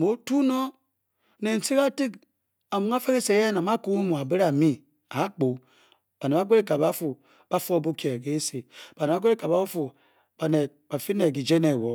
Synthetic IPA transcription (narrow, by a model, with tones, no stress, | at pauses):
mo˨˦tu˦no˦ | ne˨n̩˨si˦ka˦ti˦k | a˨mu˨ŋa˦fe˦ke˦se˨˦e˦na˨ma˦ko˦u˦mu˨a˨be˦ɾa˨mi˦ | a˨˦k͡po˨ | b̥a˨ne˨ba˦ɡʷe˦ɾe˦ka˨ba˦fu˨ | b̥a˦fu˦o˦bo˦ke˨ɡe˨˦se˨b̥a˨ne˨ba˦ɡʷe˦ɾe˦ka˨ba˨˦u˦fu˨ | b̥a˨ne˨ | ba˨fi˦ne˨ɡi˨d͡ʒe˦ne˨wɔ˨